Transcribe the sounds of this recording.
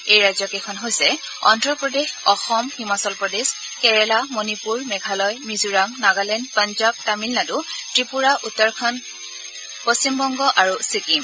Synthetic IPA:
ejɹajzɔkɛkʰɔnɦojsɛ | ɔ̰ndɹɔpɹɔdexɔxɔmhimasɔlpɹɔdez | kɛɹɛlamonipuɹmɛɡʱalɔjmizuɹaŋnaɡalɛnpanzab̚tamilnadutɹipuɹaʔutːɔɹkʰɔn | post͡ɕimbɔŋɡɔʔaɹusikim

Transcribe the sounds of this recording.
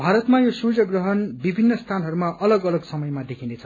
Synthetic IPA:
bʱaɾʌt̪majosud͡zʌɡrʌɦʌnbibʱinːʌst̪ʰanɦʌɾumaʔʌlʌɡʌlʌɡsʌmʌjmad̪ekʰind̪et͡sʰʌ

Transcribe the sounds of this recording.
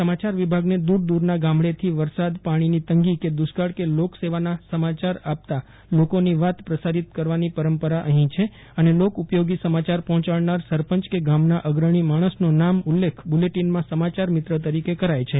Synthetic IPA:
səmat͡ʃaɾʋibʱaɡned̪uɾd̪uɾnaɡãmɭet̪ʰiʋəɾsad̪paɽ̃init̪əŋɡiked̪usɡaɽkelokseʋanasəmat͡ʃaɾap̚t̪a | lokoniʋat̪pɾəsaɾit̪kəɾʋanipəɾəmpəɾaʔəɦĩt͡ʃʰe | ənelokupjoɡisəmat͡ʃaɾpɔɦɔ̃t͡ʃaɭnaɾsəɾpəɲt͡ʃkeɡamnaʔəɡɾəɳ̃imaɽ̃əsnonamulːekʰbuleʈinmãsəmat͡ʃaɾmɪt̪ɾət̪əɾikekəɾajt͡ʃʰe

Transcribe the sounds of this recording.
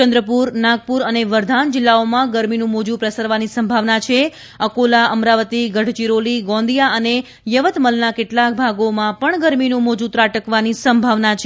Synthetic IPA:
t͡ʃə̃nd̪ɾəpuɾnaɡ̚puɾəneʋəɾd̪ʱand͡ʒɪlːaomãɡəɾminũmod͡ʒũpɾəsəɾʋanisəmbʱaʋnat͡ʃʰe | əkolaəmɾaʋət̪iɡəɽ̤t͡ʃiɾoliɡɔ̃nd̪ijaʔəne | jəʋət̪məlnakeʈlak̚bʱaɡomãpəɳɡəɾminũmod͡ʒut̪ɾaʈəkʋanisəmbʱaʋnat͡ʃʰ

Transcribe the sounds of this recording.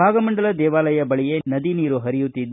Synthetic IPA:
bʱaːɡɐmɐɳɖɐlɐd̪ɛːʋaːlɐjɐbɐɭije̞nɐd̪iniːɾuɦɐɾijut̪ːid̪ː

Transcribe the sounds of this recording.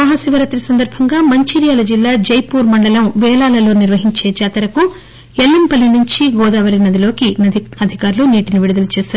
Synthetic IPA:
ɐɦɐsiʋɐɾɐt̪ɾisɐnd̪ɐɾbʱɐŋɡaːmɐɲt͡ʃiɾijaːlɐd͡ʒilːaːd͡ʒɐjpuːɾmɐɳɖɐlɐmʋɛːlaːlɐlo̞ːniɾʋɐɦiɲt͡ʃe̞ːt͡ʃaːt̪ɐɾɐku | elːimpɐlːinuɲt͡ʃiɡɔːd̪aːʋɐɾinɐd̪ilo̞ːkiɐd̪ʱikaːɾluniːʈiniʋiɽud̪ɐlut͡ʃɛːsaːɾ

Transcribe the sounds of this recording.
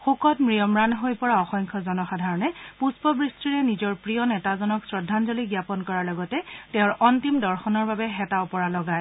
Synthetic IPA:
xukɔtmɹijɔmɹanɦojpɔɹaɔxɔŋkʰɔzɔnɔxadʱaɹɔnɛpuspɔbɹistiɹɛnizɔɹpɹijɔnɛtazɔnɔksɹɔdʱːanzoliɡjapɔnkɔɹaɹlɔɡɔtɛtɛʊ̃ɹʔɔntimdɔɹxɔnɔɹbabɛɦɛtaʊpɔɹalɔɡaj

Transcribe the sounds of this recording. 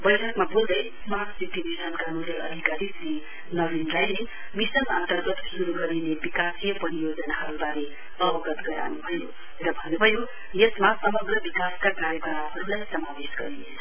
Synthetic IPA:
bʌjʈʰʌkmabold̪ʌjsmasit̪imisʌnkamuljʌʔʌ̰d̪ʱikaɾisri | nʌbinlajle | misʌnʌ̰nt̪ʌrɡʌt̪suɾuɡʌɾinebikasijʌpʌɾijod͡zʌnaɦʌɾubaɾe | ʌbʌɡʌt̪ɡʌɾa̰nubʱʌjo | rʌbʱʌnubʱʌjo | jesmasʌmʌɡrʌbikaskakaɾjʌkʌɾaɦʌɾulajsʌmabesɡʌɾinet͡sʰʌ

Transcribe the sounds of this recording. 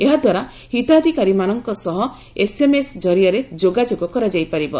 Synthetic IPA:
eɦad̪ʱwaɾa | hit̪ad̪ʱikaɾimanɔŋkɔsɔɦɔ | esemesd͡ʒɔɾijɔɾed͡ʒoɡad͡ʒoɡɔkɔɾad͡ʒajpaɾibɔ

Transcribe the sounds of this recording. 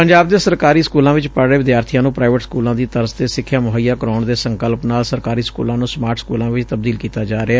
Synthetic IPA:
pəɲd͡ʒaːb̚d̪eːsəɾkaːɾiːskuːlãːʋɪt͡ʃpəɾɽeːʋɪd̪jaːɾt̪ʰijãːnũːpɾaːɪʋəʈskuːlãːd̪iːt̪əɾzt̪eːsɪkʰːjaːmʊɦəjːaːkəɾɔːɳd̪eːsəŋkəlpnaːlsəɾkaːɾiːskṵːlãːnũːsmaːɾʈʰskṵːlãːʋɪt͡ʃt̪əb̚d̪iːlkiːt̪aːd͡ʒaːɾeɛː

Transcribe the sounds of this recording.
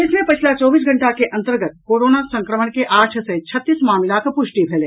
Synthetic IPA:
ɪsmẽpɐt͡ʃʰlat͡ʃɔːbiːs̬ɡʱɐ̃ɳʈakeʔɐ̃nt̪əɾɡət̪̚koːɾoːnasɐ̃ŋkɾəməɳkeʔaːɾʈʰset͡ʃʰɐt̪ːiːsmaːmɪlakpʊʃʈibʱɛleː

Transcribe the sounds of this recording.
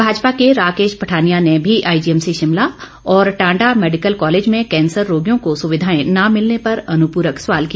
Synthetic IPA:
bʱaːd͡ʒpakeɾaːkeːʃpɐʈʰaːnijanebʱiʔaːid͡ʒiɛmsiʃɪmla | ɔːɾʈãːɳɖameːɖɪkəlkɔːleːd͡ʒmẽkɛ̃ːnsəɾːoːɡijõkosʊʋɪd̪ʱaːẽnamɪlnepɐɾɐnʊpuːɾəksʋaːlkija

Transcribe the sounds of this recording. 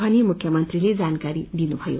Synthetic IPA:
anijmukʰjəmʌnt̪riled͡zankaɾid̪inubʱʌjo̰

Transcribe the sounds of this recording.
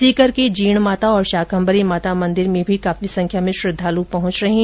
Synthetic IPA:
siːkəɾkid͡ʒiːɽ̃maːt̪aɔːɾʃaːkʰə̃mbəɾimaːt̪amɐ̃nd̪ɪɾmẽbʱikaːfisɐ̃ŋkʰjamẽʃɾɪd̪ʱːaːlũpɐɦʊ̃t͡ʃɾɐɦĩ

